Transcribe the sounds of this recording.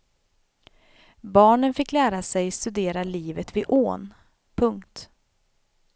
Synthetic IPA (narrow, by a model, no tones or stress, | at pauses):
bɑːɳənfɪkːlæːɾasɛjst̪ɵd̪eːɾaliːvət̪vɪʔoːn | pʰɵŋkt̪